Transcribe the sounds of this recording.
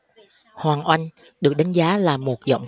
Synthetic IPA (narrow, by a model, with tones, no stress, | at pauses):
hwaː˨˩ŋʔwa˧jŋ̟ | ɗɨ˨˩ək̚ɗa˨˦ŋzaː˨˦laː˨˩mo˨˩t̚zə̰˧˨wŋ͡m